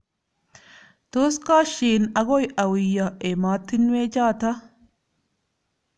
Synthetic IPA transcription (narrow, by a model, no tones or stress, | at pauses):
t̪oːskaːʃiːnɐɡɔjɐwɪjːɐʔɛmaːt̪ːɪnweːd͡ʒaːt̪ɐ